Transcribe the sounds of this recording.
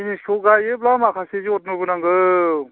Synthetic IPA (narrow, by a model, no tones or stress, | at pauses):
inisuɡajɯblamakʰaseziɔt̚nubɯnaŋɡɯ